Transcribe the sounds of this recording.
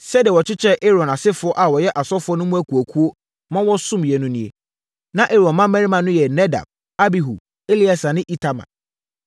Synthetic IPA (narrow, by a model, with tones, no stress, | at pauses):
sɛ˦dɪ˨ɛ˨wɔ˨t͡ɕʰɪ˦t͡ɕʰɛ˦ʔe˦ɾɔ̃˨na˨sɪ˦fʊ˨˦ɔ˦ʔa˨wɔ˨jɛ˦ʔa˨sɔ˦fʊ˨˦ɔ˦nʊ̃˦mũ˦æ˦kʰu˨æ˨kʰu˦o˦ | mã˦wɔ˦sʊ̃˦mjɛ˨nʊ̃˦nĩ˨e˨ | nã˦ʔe˦ɾɔ̃˨nmã˦mɛ̃˦ɾi˦mã˨nʊ̃˦jɛ˨nɛ˦da̰˨b̚ | a˦bi˨ɦṵ˨ | e˦li˦a˨sa˨nɪ̃˦ʔi˦tʰa˨mã̰˨